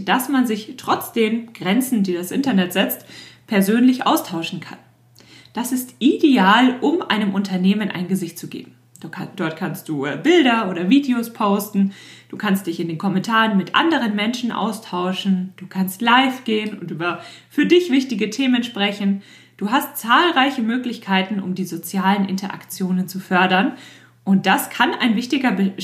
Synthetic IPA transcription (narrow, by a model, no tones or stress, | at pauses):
d̥asmanzɪçtʁ̥ɔt͡sd̥eːmɡ̥ʁɛnt͡sn̩diːdasʔɪ̰ntɐnɛtz̥ɪt͡stpʰɛɐzøːnlɪçʔa̰ʊstʰaʊʃn̩kʰa̰n | d̥asɪstʔideaːlʔʊmʔa̰ɪnəmʔʊntʰɐneːmənʔa̰ɪnɡəzɪçt̚t͡suɡḛːb̚m̩ | d̥ɔɐtkʰanst̚d̥uːbɪldɐoːɾɐviːdeospʰoʊstn̩ | d̥uːkʰanst̚d̥ɪçɪndeːnkʰɔmɛntʰaːʁənmɪtʔa̰ndəʁ̞ənmɛnʃn̩ʔa̰ʊstʰaʊʃn̩d̥uːkʰanstlaɪfɡ̥eːənʊntʔyːbɐfyːɐdɪçv̥ɪçtɪɡətʰeːmənʃpʁ̥ɛçn̩ | d̥uːɦastt͡saːlʁaɪçəmøːklɪçkʰaɪtn̩ʊ̰mdiːzot͡sjaːlənʔɪ̰ntɐʔa̰kt͡sjoːnənt͡sufœɐdɐn | ʔʊnt̚d̥askʰana̰ɪnvɪçtɪɡɐbə